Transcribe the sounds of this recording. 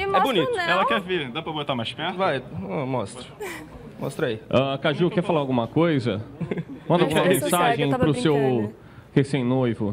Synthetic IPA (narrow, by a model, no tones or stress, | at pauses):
ɛbʊnit̪ʊɛlɐkɛɾveɾd̪apɾɐbot̪amajʃpɛɾt̪vajɐ̃mɔst̪ɾɐ | mɔ̰st̪ɾaiakaʒukɛɾfalaɾawɡũmɐkojzɐmɐ̃nd̪awɡumɐmẽssaʒẽj̃pɾʊsew | hesẽj̃nojvʊ